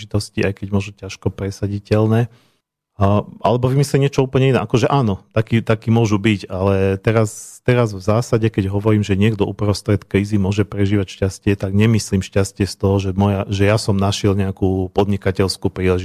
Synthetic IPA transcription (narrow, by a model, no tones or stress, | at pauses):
it̪ɔsciajkɛɟmʊɔʒucaʃkɔpɾɛsaɟicɛʎnɛː | ʔa̰lɛbɔʋimisliɲɪɛt͡ʃɔuːpl̩ɲɛinɛ̰ʔakɔʒɛʔaːnɔt̪akiːt̪akiːmʊɔʒubiɟalɛt̪ɛɾast̪ɛɾazvzaːsaɟɛkɛɟɦɔʋɔɾiːmʒɛɲɪɛɡd̪ɔʔupɾɔst̪ɾɛt̪kɾiːzimʊɔʒɛpɾɛʒiːʋacʃcascɪɛt̪aɡɲɛmisliːmʃcascɪɛst̪ɔɦɔʒɛmɔjaʒɛjasɔmnaʃɪɛlɲɛakuːpɔd̪ɲikacɛʎskuːpɾiːlɛʒi